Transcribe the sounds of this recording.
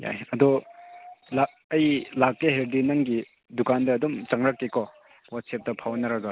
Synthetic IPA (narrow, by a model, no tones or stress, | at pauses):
ja̰jɐdɔ | la | ɐjlakːeɦeɾdinɐŋɡi | dukandɐːdumt͡ʃaŋɾɐkːekɔ | wat̚sep̚dɐpʰawnɐɾɐɡɐ